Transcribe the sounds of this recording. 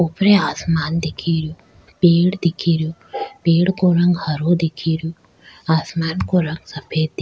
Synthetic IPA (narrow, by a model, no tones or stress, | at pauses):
upɾeaːsmaːnd̪ikʰːiɾju | peːɽd̪ikʰːiɾjupeːɽkoɾɐŋɡhɐɾoːd̪ikʰːiɾju | aːsmaːnkoɾɐŋɡsɐpʰeːd̪d̪